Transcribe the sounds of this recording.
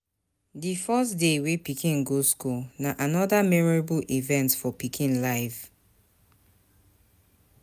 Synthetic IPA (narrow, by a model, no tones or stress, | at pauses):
difɔsdewepikĩnɡoskunaʔanɔdamɛɹɔɹabulʔivɛ̃ntfɔpikʰĩnlaɪv